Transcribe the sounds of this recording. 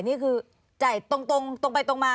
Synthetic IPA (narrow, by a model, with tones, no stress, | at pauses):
jniː˥˩kʰɯː˧ | t͡ɕa˨˩jt̪o˧ŋt̪o˧ŋt̪o˧ŋpa˧jt̪o˧ŋmaː˧